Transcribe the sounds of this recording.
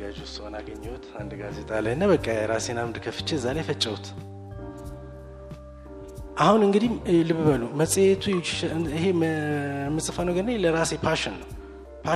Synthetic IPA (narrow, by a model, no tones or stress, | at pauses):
ɡad͡ʒɛwsəhonaɡəɲːɛwut̪and̪ɡaze̞t̪ʼalajnːabəkʼːajɛɾasjɛnamd̪kʰəfɨ̥t͡ʃːɪəzːalajfət͡ʃʼːəwut̪ʰ | ʔahunɨŋɡɨd̪ihlɨβɨβəluməsʼijet̪ʰuɦe | mːɨsʼɨfanəɡəɾnajləɾasjɛpʰaʃɪnːəw | pʰa